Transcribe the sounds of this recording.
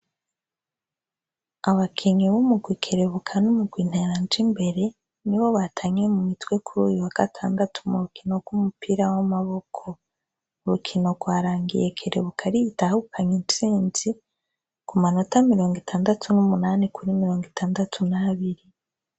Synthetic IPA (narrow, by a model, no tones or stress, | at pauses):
aβakʰeɲiβumuɡwiːkʰe̞ɾeβukʰanumuɡwiːn̥heɾand͡ʒimbe̞ɾe̞ | niβo̞βatʰaɲemumitwe̞kʰuɾuːjuwaɡ̥atʰa̰ːndatʰumuɾukʰino̞ɡwumupiɾawamaβokʰo | uɾukʰino̞ɡwaːɾaːŋɡḭje̞kʰe̞ɾe̞̰βukʰaɾijitahukʰaɲint͡ʃiːnzi | kumanotamiɾo̞ːŋɡitʰaːndatʰunumunanikʰuɾimiɾo̞ːŋɡitaːndatʰunaːβiɾi